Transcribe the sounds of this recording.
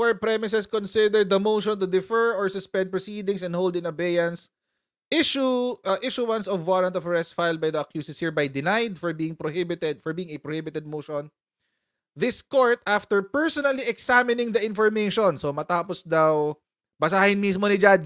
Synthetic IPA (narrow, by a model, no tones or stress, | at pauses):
ɔɹpɹɛmɪs̬ɛskɔ̃nsɪd̪ɛɹd̪̚dɐmowʃɔ̃nt̪ʊd̪ɪfɛɹɔɹsʊspɛ̃nd̪̚pɹɔsiːd̪ɪ̃ŋsɛ̃nd̪howld̪ɪ̃nobejɐns | ʔɪʃuʔʔɪʃuwɐ̃nsɔvːalɐnt̪ɔfɹɛst̪fajlˠd̪̚bajðɐɐkjuːsɪshiɹbajd̪ɪnajd̪fɔɹbiːɪŋpɾohɪbɪt̪ɛd̪̚fɔɹbiːɪŋɐpɹɔhɪbɪt̪ɛd̪̚moʃɔ̃n | ðɪskoɹt̪aft̪ɛɹpɛɹsɔnɐliɛksamɪnɪ̃ŋd̪ɐʔɪ̃nfɔɹmejʃɔnsomɐt̪aːpɔsd̪aw | bɐs̬aːhɪnmis̬monɪd͡ʒad